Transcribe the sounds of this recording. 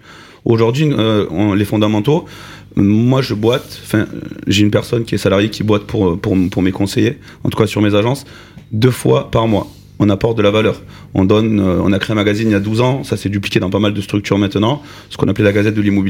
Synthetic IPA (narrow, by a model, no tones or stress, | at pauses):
oʒuʁd̪ɥiø̃lefɔ̃d̪amɑ̃t̪o | mwaʒəbwat̪ɑ̃fɛ̰̃ʒeynpɛʁsɔnkʲiɛsalaʁjekʲibwat̪pʰuʁpuʁpuʁmekɔ̃seje | ɑ̰̃t̪u̥kasyʁmezaʒɑ̃s | d̪øfwa̰paʁmwa | ɔ̃napɔʁt̪̚d̪əlavalœʁ | ɔ̰̃d̪ɔnøɔ̰̃nakχeɛ̃maɡaziniljad̪uzɑ̃sasɛd̪yplikʲed̪ɑ̃pamald̪əst̪χykt̪yʁmɛ̃t̪ənɑ̃ | sə̥kɔ̃naplɛlaɡazɛt̪̚d̪əlimɔbi